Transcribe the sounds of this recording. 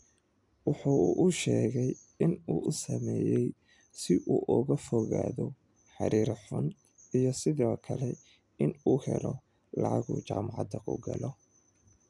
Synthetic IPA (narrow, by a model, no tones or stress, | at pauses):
wʊħuːʔʊʃɛːɣɛj | ɪnuːʔʊsɐmɛːjɛj | sɪʔuːʔɔɣɐfɔɣaːðɔ | ħɑ̰ɾiːɾħʊn | ijɔsɪðɔːkʰɐlɛ | ɪnuːhɛlɔ | lɑʕɑɣṵːt͡ʃaːmɑʕɑd̪ɐkʰʊ̰ɡɐlɔ